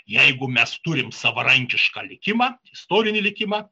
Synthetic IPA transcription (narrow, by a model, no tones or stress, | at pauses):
jɛɪɡʊmʲɛst̪ʊɾʲɪmsɐʋɐɾɐŋʲkʲɪʃkɑːlʲɪkʲɪmɑːɪst̪oːɾʲɪnʲɪlʲɪkʲɪmɑː